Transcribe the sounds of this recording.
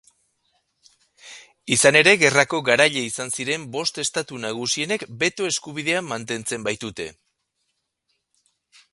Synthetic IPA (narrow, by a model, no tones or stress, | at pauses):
isane̞ɾe̞ɣe̞rako̞ɣaɾaʎe̞isansiɾe̞mbo̞st̪e̞st̪at̪unaɣ̞usie̞ne̞kbe̞t̪o̞e̞skuβiðe̞amːant̪e̞nt͡se̞mbajt̪ut̪e̞̰